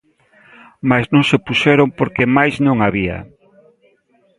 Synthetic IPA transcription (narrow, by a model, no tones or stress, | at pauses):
maznõŋsepuʃɛɾompoɾkemajznõŋaβiɐ̰